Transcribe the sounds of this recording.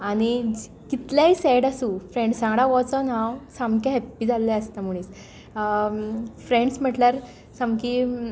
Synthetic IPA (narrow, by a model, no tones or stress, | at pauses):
aɽ̃i | kit̪ljaɦisɛɽasũːfɾẽɳɖsãŋɡɽaʋɔt͡sɔnãwsãmkjaɦɛpːiːd͡zʱalːɛəst̪am̤uɭis | fɾẽɳɖsm̤əʈljaɾ | samki